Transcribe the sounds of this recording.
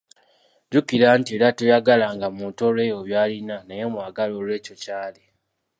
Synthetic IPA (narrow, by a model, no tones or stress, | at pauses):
ɟukiɾaːntie̞ɾatujaɡalaŋɡamuːtolwe̞ːjo̞βjaːlinanaje̞mwaːɡalo̞lwe̞ːco̞caːle